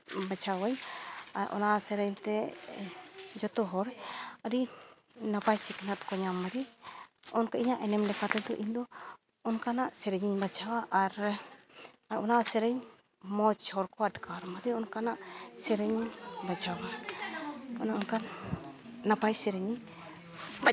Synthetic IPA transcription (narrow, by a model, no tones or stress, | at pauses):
bat͡ʃʰawajaʔɔ̰nasɛɾɛɲt̪ɛ | d͡ʒɔt̪ɔɦɔɾəɾi | napajsɛknat̪kɔɲamːaɾi | ɔnkaʔiɲaʔɛnɛmlɛkʰat̪ɛd̪ɔʔiɲd̪ɔː | nkanaʔsɛɾɛɲiɲbad͡ʒʰawaʔaɾ | aɾʔɔnasɛɾɛɲ | mɔt͡ʃhɔɾkɔaʈkaɾmaɾiɔnkanaʔsɛɾɛɲbad͡ʒʰawa | ɔnaʔɔnkanː | apajsɛɾɛɲi